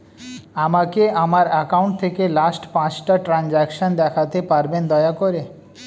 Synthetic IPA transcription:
amakeamaɾakawɳʈ̚t̪ʰekelasʈpãt͡ɕʈaʈɾand͡ʑɛkʃond̪ɛkʰat̪epaɾbend̪ɔeakoɾe

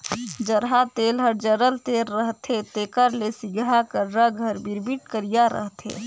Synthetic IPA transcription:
d͡ʒəɾɦat̪elɦəɾd͡ʒəɾəlt̪eɾːəɦt̪et̪ekəɾlesiɡɾakəɾɾəɡʱəɾbiɾbiʈkəɾijaɾə̰ɦt̪ḛ

